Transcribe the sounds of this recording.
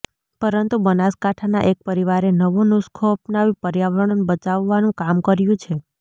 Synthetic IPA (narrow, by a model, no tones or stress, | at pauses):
pəɾənt̪ubənaskaʈʰana̰ʔek̚pəɾiʋaɾenəʋonʊskʰoəpnaʋipəɾjaʋəɾəɳənbət͡ʃaʋːanũkamkəɾjũt͡ʃʰe